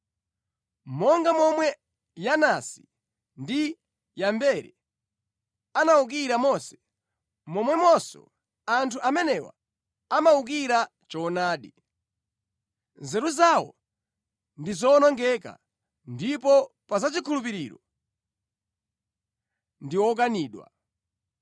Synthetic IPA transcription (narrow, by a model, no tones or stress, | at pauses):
mɔŋɡamɔmwɛ | janasi̥ | ndi | jambɛɾɛ | anauk̬iɾamɔsɛ̥ | mɔmwɛmɔsɔ̰ | antʰuʔamɛnɛwa̰ | amauk̬iɾa | t͡ʃɔnaːɗi | zɛɾuzawɔ̰ | ndizɔnɔŋɡɛka̰ | ndipɔpazat͡ʃikʰulup̬iɾiːɾɔ | ndiwɔk̬aniːɗwa̰